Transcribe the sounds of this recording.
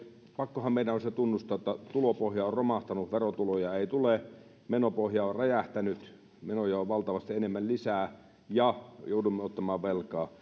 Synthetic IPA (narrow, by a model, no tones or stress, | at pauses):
pɑkːohɑmmeilæonset̪unːust̪ɑot̪ːɑt̪ulopohjɑorromɑht̪ɑnuʋerot̪ulojɑeit̪ule | menopohjɑorrɑjæht̪ænyt̪ | menojɑoʋʋɑlt̪ɑʋɑst̪ienemːællisæː | jɑjoˑudumːeot̪ːɑmɑːʋʋelkɑː